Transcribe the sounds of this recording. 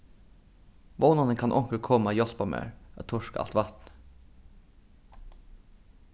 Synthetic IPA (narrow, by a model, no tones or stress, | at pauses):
ʋoːnɑnəŋkʰɑnʔɔŋkəkʰɔmɑjɔspɑmø̰ːɹʔɑt̪ʰʊʂkɑɑ̰lt̪ʋɑt̪n